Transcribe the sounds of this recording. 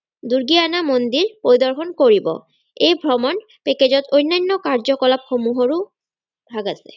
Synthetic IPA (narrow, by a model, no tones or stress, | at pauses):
d̪uɹɡianamond̪iɹpoɹid̪ɔɹxɔnkoɹibɔ̰ | ejbʱɹɔmɔn | peked͡ʑɔtʰojnːanːɔkaɹzɔkɔlap̚xomuɦɔɹu | bʱaɡasɛ̰